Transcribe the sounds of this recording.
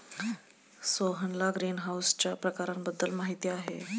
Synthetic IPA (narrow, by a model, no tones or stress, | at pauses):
soɦənlaɡɾiːnɦawst͡ɕjapɾəkaɾambəd̪ːəlmaɦit̪ijaɦḛ